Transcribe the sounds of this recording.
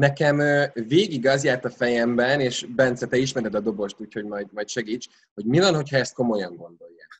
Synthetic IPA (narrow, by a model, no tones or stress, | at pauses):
nɛkɛmøveːɡiɡɒzjaːrt̪ɒfɛjɛmbɛneːʃbɛnt̪sɛt̪ɛiʃmɛɾɛd̪ɒd̪o̞bo̞ʃt̪uːcho̞ɟmɒjmɒjtʃɛɡiːt͡ʃ | ho̞ɟmivɒnho̞chɒɛst̪ko̞mo̞jɒŋɡo̞nd̪o̞jːaː